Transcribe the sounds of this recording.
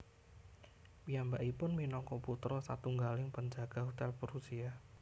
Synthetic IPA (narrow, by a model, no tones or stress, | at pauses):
pijambaʔipʊnminɔŋkɔput̪ɾɔsa̰t̪uŋɡalɪŋpəɲd͡ʒaɡ̥aɦut̪ɛlpəɾusia